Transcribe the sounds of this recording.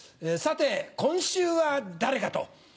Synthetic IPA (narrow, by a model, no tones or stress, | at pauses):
eːsat̪e̞kõ̞ɰ̃ɕɨːβad̪aɾe̞kat̪o̞̰